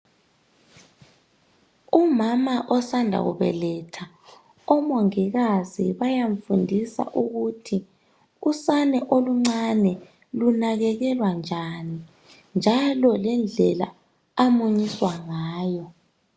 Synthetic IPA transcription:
umamaʔɔsandʱa̰ɣṵβɛ̰lɛtʰa | ɔmoŋiɣaziβajaɱfundʱisa̰ʔuɣutʰi | usanɛʔoluŋ͡ǀanɛ | lunaɣɛɣɛlwand͡ʒʱani | nd͡ʒʱalɔlɛnd͡ɮʱɛla̰ | amuɲiswaŋaːjɔ

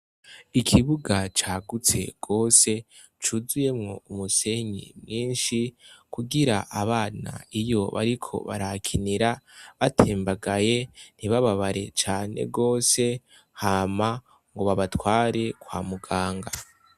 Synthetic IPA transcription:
ikʰiβuɡat͡ʃaːɡut͡se̞̰ɡ̥o̞ːse̞ | t͡ʃuzuje̞mŋo̞umuse̞ɲḭmŋiːnʃikuɡiɾa̰ʔaβaːna̰ijo̞βa̰ɾikʰo̞̰βa̰ɾakʰiniɾaβatʰeːmbaɡaje̞n̥iβaβaβaɾe̞̰t͡ʃaːne̞̰ɡo̞ːse̞ | hama | ŋɡo̞βaβatwaːɾe̞kwaːmuɡaːŋɡa

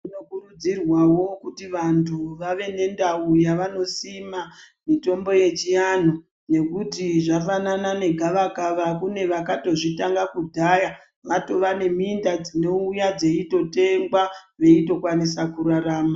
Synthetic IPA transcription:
ino̞kurud͡zirwawo̞kutiʋantʰuʋaʋe̞ne̞ndaujaʋano̞sima | mito̞mbo̞je̞t͡ʃijan̤o | ne̞kutiʐafananane̞ɡʱaʋakaʋakune̞ʋakato̞ʐitaŋɡakudʱaja | ʋato̞ʋane̞mindad͡zino̞ujad͡ze̞ito̞te̞ŋɡwaʋe̞ito̞kwanisakuɾaɾaːma

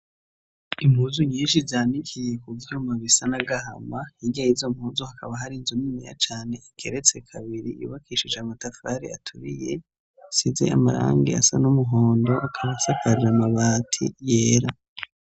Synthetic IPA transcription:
imhuːzuɲiːnʃizaːnikije̞kuvjumaβisanaɡaɦa̰maiɟajizo̞mhuːzuhakaβaɦaɾinzumimija̰t͡ʃaːne̞ikʰeɾe̞t͡se̞kʰaβiɾijṵβakʰiːʃid͡ʒamatafaɾḭa̰tʰuɾije̞̰ | size̞̰a̰maɾa̰ːŋɡḭasanumuɦoːndo̞ʔakʰaβasakaɾiɾamaβaːtʰḭjeːɾa

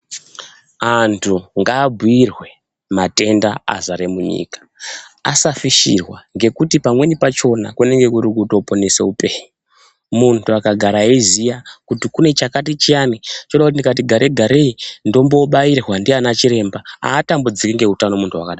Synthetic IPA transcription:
antʰuŋɡaːbʱuirwe̞ | mate̞ndaa̰zaɾemuɲḭːkḁasafiʃḭrwaŋɡe̞kutipamwe̞nipat͡ʃo̞na̰kune̞ŋɡe̞kuɾikuto̞po̞ne̞seupe̞ːɲu | muntʰuakaɡʱaɾaezijakutikune̞t͡ʃakatit͡ʃianit͡ʃoɗakutindikat̬iɡʱaɾeɡʱaɾe̞indo̞mbo̞ɓairwandianat͡ʃiɾe̞mbaa̰ːtambud͡zikeŋɡe̞ɦutano̞muntʰuwakaɗaː

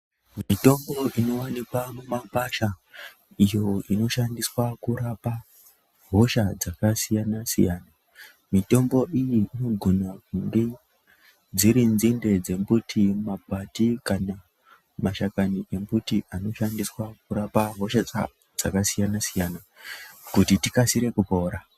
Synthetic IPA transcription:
miito̞mbo̞ʔino̞wanikwamumapaʃa | ijo̞ino̞ʃandiswakuɾapa | ɦo̞ʃad͡zakasijanasḭjaːna | mito̞mbo̞ʔijiino̞ɡʱonakuŋɡe | d͡ziɾinzinde̞d͡ze̞mbutʰimapatikana | maʃakaniʔe̞mbutiʔano̞ʃandiswakuɾapaɦo̞ʃa | d͡zakasijanasijana | kutitikasiɾe̞kupo̞ːɾa

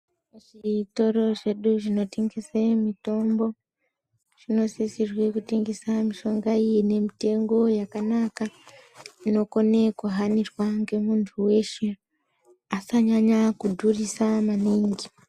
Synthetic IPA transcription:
ʐiito̞ɾo̞ʐe̞ɗuʐino̞teŋɡisemito̞mbo̞ | ʐ̥ino̞sisirwekuteŋɡisamiʃo̞ŋɡaijine̞mite̞ŋɡo̞jakanaka | ino̞konekuɦanirwaŋɡe̞muntʰuwe̞ʃe | asaɲaɲakudʱurisamaniːŋɡi

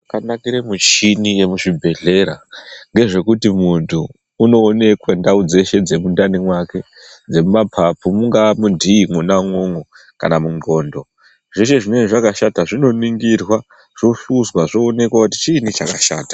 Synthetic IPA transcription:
kanakiɾemut͡ʃinije̞muʂibʱe̞ɮe̞ɾaŋɡe̞ʐe̞kutimuntʰuː | no̞ːne̞kwandaud͡ze̞ʃe̞d͡ze̞mundanimwake̞ | d͡ze̞mumapʰapumuŋɡamudʱiːŋunaŋo̞ŋo | ka̰namuŋɡo̞ːndo̞ | ʐ̥e̞ʃe̞ʐimweʐakaʃataʐino̞niŋɡirwa | ʐ̥o̞ʃuzwaʐoːne̞kwakuti̥t͡ʃiːnit͡ʃakaʃa̰ːtḁ

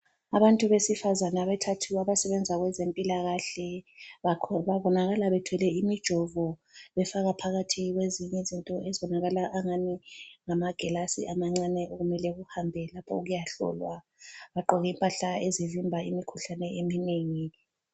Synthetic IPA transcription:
aβantʼuβesifazanaβɛtʰatʰiwaβasɛβɛnd͡zʱaɣwɛzempʼilaɣaɬɛ | βaβɔnaɣalaβɛdtʰwɛlɛimid̥ʒ̥ʱɔvɔβɛfaɣapʰaɣatʰiiɣweziɲɛzintʼɔɛzɔnaɣalaʔːŋaniŋamaɡ̥ʱɛlasḭʔamaŋ͡ǀanɛʔoɣumɛlɛɣuhambʱɛlapʰɔ̰uɣujaɬɔ̰lwa | βaǃɔɣimpʼaɬaezivimbʱaḭmikʰuɬanɛemineːŋi

